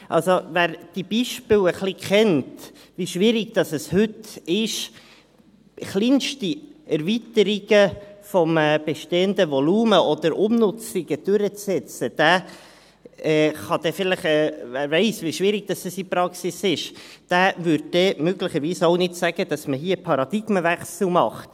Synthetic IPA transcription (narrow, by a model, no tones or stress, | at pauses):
ʔɑlsovæːɾd̥ib̥iʃpɪləχlikʰχɛnt | ʋiʃʋiɾɪɡd̥̪ɑsəshʏtɪʃ | χliːnʃtiɛɾvitəɾiɡ̥əfɔmɛːb̥ɛʃteːənd̪əvɔluːməʔɔd̥̪əɾʔʊmnʊt͡sɪɡ̥əd̥ʉɾət͡ssɛt͡səd̥æː | ɛχɑd̥̪ɛfɪləχɛæːɾvɛɪsʋiʃʋiɾɪɡ̥̚d̥ɑsdəsipɾɑksɪsɪʃd̥æːvʏɾd̚dɛmøɡlɪχəɾviːsoʊnɪtsæɡ̥əd̥ɑsməɦiːəpʰɑɾɑd̥̪ɪɡ̥məvæχsl̩mɑχt